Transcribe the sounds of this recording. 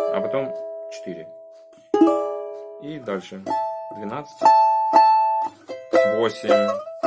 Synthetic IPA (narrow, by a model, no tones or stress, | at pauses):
ɐ̰pɐt̪o̞mt͡ɕɪ̥t̪iɾʲɪ̰ | id̪alʲʂɨd̪vʲɪnat̪sɨ̥tʲ | vo̞sʲɪmʲ